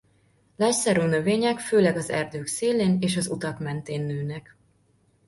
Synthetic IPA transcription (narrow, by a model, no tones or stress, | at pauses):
lɛcsɛɾoːnøveːɲɛkføːlɛɡɒzɛ̰rd̪øːkseːlːeːneːʃɒzut̪ɒkmɛnt̪eːnːøːnɛk